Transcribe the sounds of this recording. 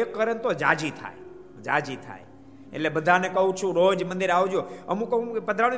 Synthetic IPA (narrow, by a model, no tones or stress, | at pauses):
kːəɾənt̪od͡ʒa̰ːd͡ʒit̪ʰa̰ːe | d͡ʒa̰ːd͡ʒit̪ʰa̰ːe | ḛlebəd̪ʱanekɐũt͡ʃʰũɾoːd͡ʒmə̃nd̪ɪɾaːʋud͡ʒoːəmũkəũkpəd̪ʱɾãːi